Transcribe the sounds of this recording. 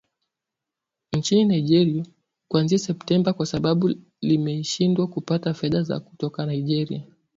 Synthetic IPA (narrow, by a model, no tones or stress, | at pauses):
nt͡ʃininaiʄɛɾia | kwanziasɛptɛmbakwasaɓaɓu | limɛʃindwakupatafɛðaza̰ku̥tɔkanaiʄɛɾḭa